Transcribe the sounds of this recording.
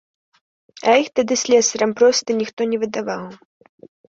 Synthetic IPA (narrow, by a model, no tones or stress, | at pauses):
ɐixt̪ad̪ɨsʲlʲɛsɐɾɐmpɾɔst̪ɐnʲixt̪ɔnʲɛvɨd̪avaw